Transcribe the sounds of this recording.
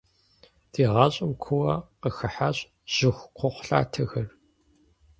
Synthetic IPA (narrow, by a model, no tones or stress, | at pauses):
d̥iːʁɑɕʼɪmkʷʰʊwɐqəxɨħaɕʼ | ʑ̥ɪxʷqʷʰʊχʷɬa̰ːtʰɐɣɐr